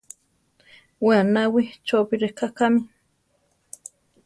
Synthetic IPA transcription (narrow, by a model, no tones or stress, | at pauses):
wanawit͡ʃopiɾekakami